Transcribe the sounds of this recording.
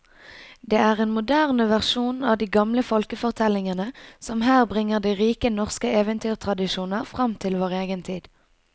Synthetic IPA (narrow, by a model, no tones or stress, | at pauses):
d̪eːæːʁeːnmʊd̪æːʁnəʋæʁʃuːnɑːd̪iːɡɑmləfɔlkəfɔʁt̪ʰɛlɪŋənəsɔmɦæːʁbʁɪŋːəʁd̪iːʁiːkənɔʁskəeːʋənt̪ʰyːʁt̪ʰʁɑd̪ɪʃuːnəʁfʁɑmt̪ʰɪlʋoːʁeːɡənt̪ʰiːd̪̥